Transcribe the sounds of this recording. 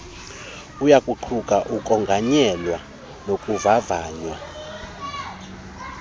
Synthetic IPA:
ujakʼuǃʰukʼaʔukʼɔŋɡʱaɲɛlwa | nokʼuvavaːɲwa̰

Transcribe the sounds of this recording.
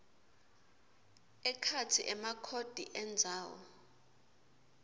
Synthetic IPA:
ɛkʰatʰiʔɛmakʰod̥ʱiʔɛnd͡zʱaːwɔ̰

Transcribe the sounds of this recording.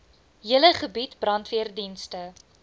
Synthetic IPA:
ɦiələχəbitb̥rɐntviərdinstə

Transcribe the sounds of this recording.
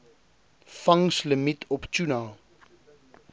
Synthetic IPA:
fɐŋsləmitʰɔpt͡ʃuna

